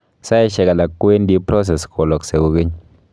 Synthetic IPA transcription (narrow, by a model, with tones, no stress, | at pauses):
sa˦ʃɛ˨ka˨la˨kːe˦ndi˦pɾɔ˦s̬ɛ˨skʰo˨lɔ˨kse˨ko˨kɪ˦ɲ